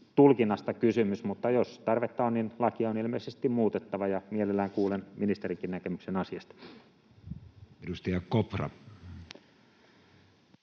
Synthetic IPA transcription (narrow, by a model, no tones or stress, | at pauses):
t̪ulkinːɑst̪ɑkysymysmut̪ːɑjost̪ɑrʋet̪ːɑonninlɑkiɑonilmeisest̪immuːt̪et̪ːɑʋɑjɑmielelːæːŋkuːlenminist̪eriŋkinnækemyksenɑsiɑst̪ɑ̥ | eɾust̪ɑjɑkoprɑ̰